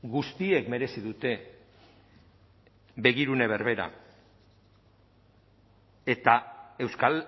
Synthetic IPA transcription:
ɡust̪ie̞kme̞ɾe̞siðut̪e̞ | be̞ɣ̞iɾune̞β̞e̞ɾβe̞ɾa̰ | e̞t̪ae̞wskal

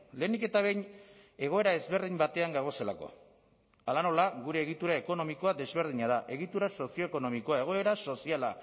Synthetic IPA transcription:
le̞ːnike̞t̪aβ̞e̞jɲ | e̞ɣ̞o̞e̞ɾae̞zβe̞ɾðimbat̪e̞aŋɡaɣ̞o̞se̞la̰ko̞̰ | alano̞laɣuɾe̞ːɣ̞it̪uɾaeko̞no̞miko̞ad̪e̞zβe̞ɾð̞iɲað̞aʔe̞ɣit̪uɾaso̞sio̞eko̞no̞miko̞ae̞ɣ̞o̞e̞ɾaso̞siala̰

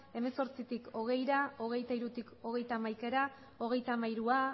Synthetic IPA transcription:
e̞me̞so̞ɾt͡sit̪iko̞ɣ̞e̞jɾao̞ɣ̞e̞jt̪aiɾut̪iko̞ɣ̞e̞jt̪amajke̞ɾa | o̞ɣ̞e̞jt̪amajɾua

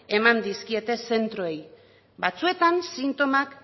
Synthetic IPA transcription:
e̞mand̪iskie̞t̪e̞se̞nt̪ɾoe̞j | bat͡sue̞t̪ansint̪o̞mak

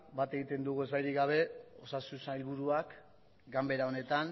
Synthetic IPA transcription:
bat̪e̞ɣit̪e̞nd̪uɣue̞zβajɾiɡaβ̞e̞o̞sasusailβuɾuak | ɡambe̞ɾao̞ne̞t̪an

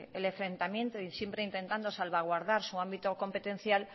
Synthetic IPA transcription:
eleɱfɾẽ̞nt̪amjent̪oisjempɾeint̪e̞nt̪and̪osalβaɣwaɾðaɾsuambit̪oko̞mpe̞t̪ẽ̞n̟θjal

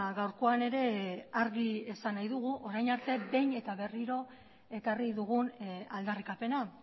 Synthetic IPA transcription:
ɣawɾko̞ane̞ɾe̞aɾɣiesanajðuɣ̞uʔo̞ɾajnaɾt̪e̞be̞jɲe̞t̪aβe̞riɾo̞ | e̞kariðuɣunald̪arikape̞na

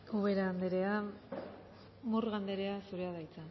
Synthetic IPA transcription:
uβeɾaːnd̪eɾe̞a | murɣand̪e̞ɾe̞asuɾe̞aðajt͡sa

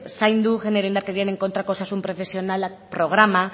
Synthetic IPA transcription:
sajnd̪uxeneɾend̪aɾket̪jeneŋko̞nt̪ɾako̞sasumpɾo̞fe̞sjo̞nala | pɾo̞ɣ̞ɾama

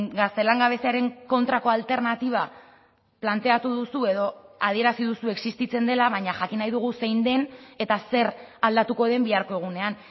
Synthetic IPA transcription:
ɡast̪e̞laŋɡaβ̞e̞seaɾe̞ŋko̞nt̪ɾako̞alt̪e̞ɾnat̪iβ̞a | plant̪e̞at̪uðusue̞ðo̞að̞ie̞ɾasiðusue̞ksist̪it͡se̞nd̪e̞laβaɲaʝakinajðuɣ̞use̞jnd̪e̞ne̞t̪ase̞ɾald̪at̪uko̞ðe̞mbiaɾko̞e̞ɣ̞une̞an

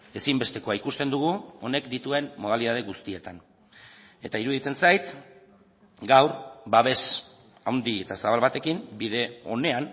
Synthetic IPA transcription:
e̞simbe̞st̪e̞ko̞aikust̪e̞nd̪uɣ̞uo̞ne̞kd̪it̪ue̞mːo̞ð̞aliðað̞e̞ɣust̪ie̞t̪an | e̞t̪aiɾuðit͡se̞nsajt̪ | ɡawɾbaβ̞e̞s | awnd̪ie̞t̪asaβalβat̪e̞kimbiðe̞o̞̰ne̞an

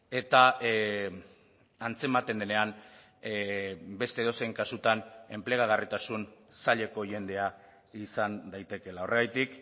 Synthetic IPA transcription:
e̞t̪a | ant͡se̞mat̪e̞nd̪e̞ne̞an | be̞st̪eːðo̞seŋkasut̪ane̞mple̞ɣaɣarit̪asun | saʎe̞ko̞ʝe̞nd̪e̞a | isand̪ajt̪e̞ke̞lao̞rʔe̞ɣajt̪ik

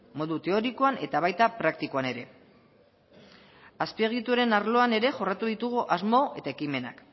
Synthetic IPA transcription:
mo̞ðut̪e̞o̞ɾikoane̞t̪aβ̞ajt̪apɾakt̪ikoane̞ɾe̞ | aspieɣ̞it̪uoɾe̞naɾlo̞ane̞ɾe̞ʝo̞rat̪uðit̪uɣ̞uʔazmo̞e̞t̪ae̞kime̞na̰k

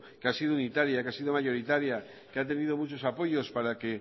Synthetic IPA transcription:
keasið̞ounit̪aɾjakeasið̞omaʝoɾit̪aɾja | keat̪̬enið̞omut͡ʃosapojospaɾake

